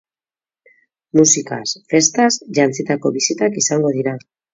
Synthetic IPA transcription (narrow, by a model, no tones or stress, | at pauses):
musika̰sfe̞st̪asʝant͡sit̪ako̞βisit̪akisaŋɡo̞ð̞iɾa